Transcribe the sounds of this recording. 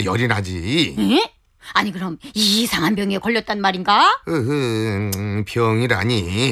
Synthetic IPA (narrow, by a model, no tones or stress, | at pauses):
jʌɾinɦad͡ʑie | aɲikɯɾʌmisʰaŋɦanbjʌŋe̞kʌʎːʌt̚t͈anmaɾinɡaɯkɯ | pʰjʌŋiɾa̰ɲi